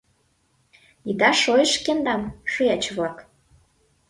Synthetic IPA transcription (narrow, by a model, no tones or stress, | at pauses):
nid̪ɑʃojəʃkend̪ɑmʃujɑt͡ɕβlɑk